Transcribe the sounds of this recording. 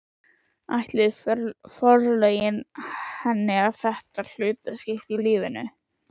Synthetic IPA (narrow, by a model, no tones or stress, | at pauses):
ajht̪lɪðfɔɾlejɪnhɛnːɪaðθɛht̪al̥ʏːt̪ascɪst̪iliːvɪnʏ